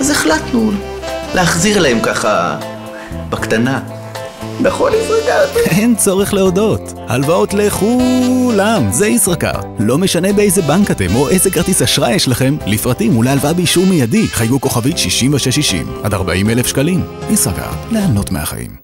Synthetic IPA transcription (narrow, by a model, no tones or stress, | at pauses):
azeχlat̪nul | leaχziʁlahemkaχa̰ | bakt̪ana | beχolisʁakae̞nt͡so̞ʁeχle̞odo̞t | ha̰lvao̞tle̞χulamzeisʁaka̰ʁ | lo̞me̞ʃane̞beejzebaŋkate̞mo̞ʔejzekaʁt̪isaʃʁajeʃlaχe̞mlifʁatimulajalvabeiʃuʁmijadiχajɡuko̞χavitʃiʃimveʃeʃiʃḭmad̪aʁbaʔime̞lefʃkalim | isʁaka̰ʁleano̞tmea̰χa̰ʔḭm